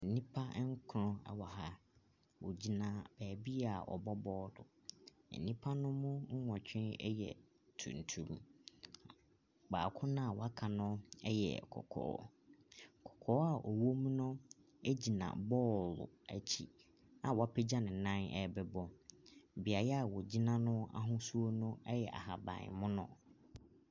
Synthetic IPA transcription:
ɛ˨nĩ˦pʰa˦ŋ̩˦kʰʊ˨ɾʊ̃˦ɛ̰˨wɔ˨ha˨ | wo̰˨d͡ʑi˨nã˨b̥æː˨bi˦a˨ɔ̰˨bɔ˦bɔː˦dʊ̰˨ | ɛ̰˨nĩ˦pʰa˦nʊ̃˦mʊ̃˦ŋ̩˦wɔ̃˨t͡ɕᶣʰɪ̃˦nɛ̰˦jɛ̰˨ | tʰṵ̃˨n̩˨tʰu˦˨ɾũ˦a˨ | ɡ͡ba̰ː˨kʰʊ̃˦nʊ̃˦a˨wa˦kʰa˨nʊ̃˦ɛ̰˦jɛ̰˨kʰɔ̰˨kʰɔ̰ː˨˦ | kʰɔ̥˨kʰɔː˨˦a˨ʔɔ˨wo˦m˦nʊ̃˦ | e˦d͡ʑi˨nã̰˨bɔː˦˨lʊ̰˨æ˨t͡ɕʰi˦ | ã˨wa˦pʰɛ˦d͡ʑa˦nɪ̃˨nã˦nɛ̰˨bɛ˨bɔ˦˨ | bi˨a˨jɛ˦a˨wɔ˨d͡ʑi˦nã˦nʊ̃˦a̰˦ɦʊ̃˦su˦o˦nʊ̃˦ɛ˦jɛ̰˨ʔa̰˨ɦa˨bã̰˨mʊ̃˦nʊ̰̃˦˨

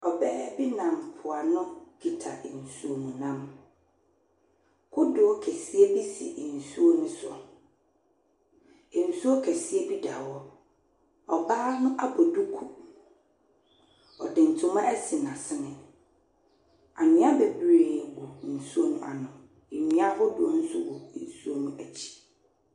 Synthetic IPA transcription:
ɔ˨bɛː˦bi˦nã˨mpʰʊ˨a˨nʊ̃˦ɡ̥i˨tʰa̰˨n̩˨su˦o˨mũ˨nã˦m | kʰʊ˦dʊ˨˦kʰɛ˨si˦e˦bi˦sḭ˨n̩˨su˦o˦nʊ̃˦sɔ̰˨ | n̩˨su˦o˦kʰɛ˨si˦e˦bi˦da˨wɔ˦ | ɔ˨baː˦nʊ̃˦ʔa˦bo˨du˦kʰu˦ | ɔ̰˨dɪ˨n̩˨tʰʊ̃˨˦mã˦ʔæ˦si˨nã˨sɪ˦nɪ̃˨ | a˨nɪ̃˦a˦be˨bɾe˨wɔ˨n̩˨su˦o˦nʊ̃˦˨a̰˨nʊ̃˨ | e˨nĩ˦a˦hʊ˦dʊ˨ɔ˦n̩˦sʊ˦wɔ˨n̩˨su˦o˦nũ˦æ˨t͡ɕʰi̥˨

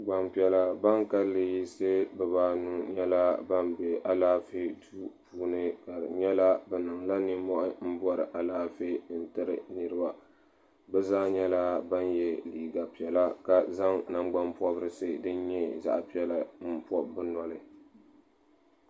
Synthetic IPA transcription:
ɡ͡ba˨mpi˨ɛ˨la˨ba˦ŋka˦lːɨ˨ji˦sɨ˦bɛ˨baː˦nu˦ɲɛ˦la˦ba˦mbe˨ʔa˨laː˦fi˦du˦puː˨˦nɨ˦ka˨ɲɛ˦la˦bɛ˨nɨ˨ŋla˦ni˦mɔ˦ʔɪ˦m̩˦bɔ˦ɾɨ̰˨ʔa˨laː˦fi˦n̩˦tɨ˦ɾɨ̰˨nɨ˦ɾɨ˦ba˨ | bɛ˦zaː˦ɲɛ˦la˦ba˦njɛ˦liː˨ɡa˨pi˨ɛ˨la˦ka˨za˦ŋna˦ŋɡ͡ba˦mpɔ˦bɨ˦ɾɨ˦sɨ˦dɨ˦ɲɛ˦za̰˦ʔpi˦ɛ˦la˦m̩˦pɔ˦bɨ˦nɔ˦lɨ˨

